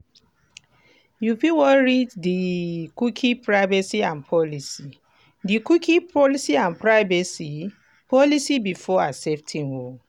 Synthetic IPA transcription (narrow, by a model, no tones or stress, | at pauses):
jupiwɔɹiddikukʰĩpɹaɪvɛsiãnpʰɔlisi | dikukʰĩpɔlisiãnpɹaɪvɛsi | pɔlisibifɔasɛp̚tʰĩnwo